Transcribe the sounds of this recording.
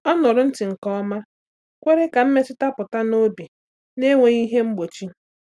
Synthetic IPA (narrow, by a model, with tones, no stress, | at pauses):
ɔ˦nɔ˨ɾʊ˨˦n̩˦tɪ˨ŋ̩˨kɔ˦ma˦ | kʷe˦ɾe˦ka˨m̩˦me˦t͡ʃɪ˦ta˦pʊ˨ta˦no˦bi˨ | ne˦ŋʷe˨ɣi˦ɦe˦m̩˦ɡ͡bo˨t͡ʃi˦